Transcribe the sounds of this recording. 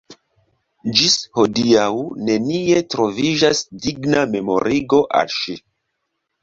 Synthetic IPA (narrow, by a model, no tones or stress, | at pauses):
d͡ʒisho̞diawne̞nie̞tɾo̞viʒasdiɡname̞mo̞̰ɾʔiɡo̞ʔa̰lʃi